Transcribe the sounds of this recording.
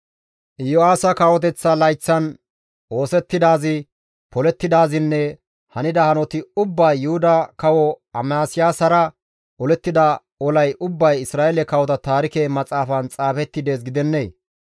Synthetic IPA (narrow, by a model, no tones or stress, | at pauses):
ʔɪjɔaːsɐkaːwɔt̪̬ɛt͡sːɐlɐjt͡sːɐn | ʔo̞ːsɛt̪ːɪd̪aːzɪ | pɔlɛt̪ːɪd̪aːzɪnːɛ | hɐnɪd̪ɐhɐnɔt̪ɪʊbːɐjːʊhʊd̪ɐkɐwɔɐmaːsɪjaːsɐɾɐ | ʔɔlɛt̪ːɪd̪ɐ | ɔlɐjʔʊbːɐjɪsɾaːʔelɛkɐwɔt̪ɐt̪aːɾɪkeːmɐt͡sʼaːfɐnt͡sʼaːfɛt̪ːɪd̪e̞ːs̬ɡɪd̪ɛnːeː